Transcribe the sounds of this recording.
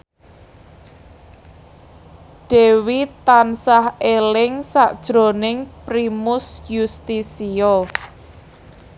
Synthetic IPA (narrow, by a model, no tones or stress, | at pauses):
ɖ̥e̤wit̪ansahelɪŋsaʔd̥ʒ̥ɾo̤nɪŋpɾimʊsjust̪isiɔ